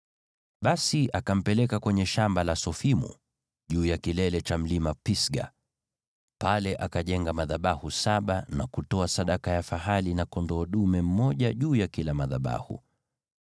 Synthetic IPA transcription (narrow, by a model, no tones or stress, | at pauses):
ɓasiʔakam̩pɛlɛkakwɛɲɛʃambalasɔfimṵ | ʄuːjakilɛlɛt͡ʃam̩limapisɡa̰ | palɛʔakaʄɛŋɡamaðaɓahusaɓanakutɔasaɗakajafaɦalinakɔndɔːɗumɛm̩mːɔʄaʄuːjakilamaðaɓa̰hṵ